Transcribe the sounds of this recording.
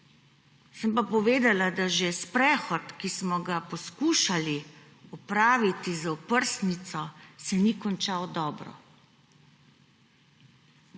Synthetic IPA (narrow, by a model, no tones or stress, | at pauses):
səmpapɔʋeːd̪alad̪aʒespɾɛxɔt̪kismɔɡapɔskuːʃali | ɔpɾaːʋit̪izaɔpəɾsnit̪sɔsɛnikɔnt͡ʃaːwd̪ɔːbɾɔ̰